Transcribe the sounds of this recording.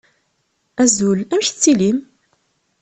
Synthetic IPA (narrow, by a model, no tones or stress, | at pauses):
æzulæmçt͡sːilim